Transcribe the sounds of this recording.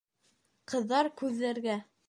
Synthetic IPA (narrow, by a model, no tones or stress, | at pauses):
qɤ̆ðːɑɾkʉðːæɾɡæ